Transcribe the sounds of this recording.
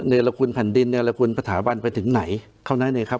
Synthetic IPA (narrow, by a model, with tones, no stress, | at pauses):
neː˧la˧kʰu˧npʰɛ˨˩˦ndi˧nːeː˧la˧kʰu˧npɾa˧t̪ʰaː˩˦ba˧npa˧jt̪ʰɯ˩˦ŋna˩˦j | kʰa˥˩wnaː˥jnaː˧˩kʰa˦˥p̚